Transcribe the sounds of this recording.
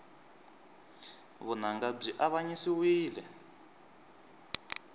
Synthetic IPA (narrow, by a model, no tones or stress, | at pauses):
βunaŋɡab͡ʐiʔaβaɲisiwiːlɛ